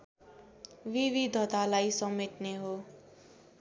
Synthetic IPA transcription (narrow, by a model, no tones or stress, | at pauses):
wiβid̪ʱʌt̪alajsʌmeʈ̪neɦo